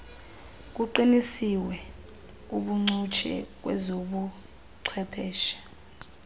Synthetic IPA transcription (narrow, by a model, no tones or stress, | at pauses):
k̬uǃinisiwɛ | uɓuŋ͡ǀut͡ʃʰɛ̰k̬wɛ̰zoɓu | ǀʰwɛpʰɛːʃḁ